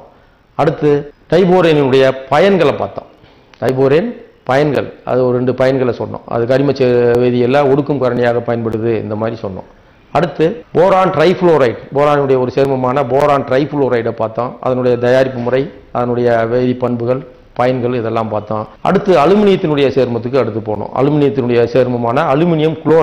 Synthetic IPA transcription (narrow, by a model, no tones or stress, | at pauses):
ɐɽɯt̪ːɯʈ̪ɐɪboːɾɐjnɪnɯɽɐjɐpɐjɐnɡɐɭɐpːa̰ːɾt̪ã̰ː | ʈ̪ɐɪboːɾɐjɐn | pɐjɐnɡɐ̰ɭʔɐ̰ðɯɔɾɯɾɛɳɖɯpɐjɐnɡɐɭɛsɔnːõ̰ɐ̰ðɯkɐɽɪmɐt͡ʃːɛʋeːðɪjɛlːãːɔɽɯkːɯmkɐɾɐɳɪjaːɣɐpɐjɐnpɐɽɯðɯɪ̰nd̪ɐmaːd̪ɾisɔnːõ̰ː | ɐɽɯt̪ːɯboːɾaːnʈɾɐɪfloːɾɐɪʈboːɾaːnɯɽɐjɐɔɾɯseːɾmɐmaːnɐboːɾaːnʈɾɐɪfʊloːɾɐɪɽɐpaːɾt̪ãːʔɐ̰ðɐnɯɽɐjɐd̪ɐjaːɾɪpːɯmʊrɐɪ | ɐðɐnɯɽɐjɐʋeːðɪpːɐɳbɯɣɐɭ | pɐjɐnɡɐɭɪðɛlːãːmpaːɾt̪ãːʔɐ̰ɽɯt̪ːɯɐlɯmɪnɪjɐt̪ːɪnɯɽɐjɐseːɾmɐt̪ːɯkːɯɐɽɯt̪ːɯpo̰ːɳõ̰ːʔɐ̰lɯmɪnɪjɐt̪ːɪnɯɽɐjɐseːɾmɐmaːnɐːlɯmɪnɪjɐmkɭoː